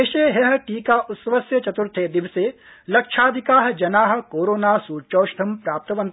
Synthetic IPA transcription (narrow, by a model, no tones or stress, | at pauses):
eːʃeɦeɦʈiːkaʔʊt̪sɐʋɐsjɐt͡ʃɐt̪ʊɾt̪ʰeːd̪ɪʋse | lɐkʃʰaːd̪ʱɪkaːɦd͡ʒɐnaːɦkoːɾoːnaːsuːɾt͡ʃoːʃt̪ʰɐmpɾaːp̚t̪ɐʋɐ̃nt̪